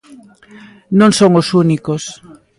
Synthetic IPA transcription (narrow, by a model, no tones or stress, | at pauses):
nõŋsoŋosunikos